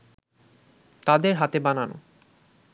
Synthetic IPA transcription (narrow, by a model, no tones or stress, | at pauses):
t̪ad̪eɾɦat̪ebanano̰